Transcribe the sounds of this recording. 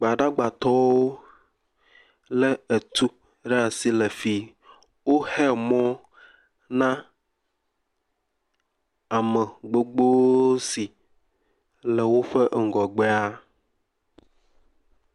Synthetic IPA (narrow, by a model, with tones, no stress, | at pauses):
ɡ͡ba˨ɖa˦ɡ͡ba˨t̪ɔ˦wo˦ | lə˦e˨t̪u˦ | ɖa˨si˨lə˨fi˨ | wo˦hɛ˦mɔ̃˦ | nã˦ | a˨mə˨ɡ͡bo˦ɡ͡bo˦si˨ | lə˨wo˦ɸə˦ʔŋ̩˨ɡɔ˨ɡ͡be˦a˦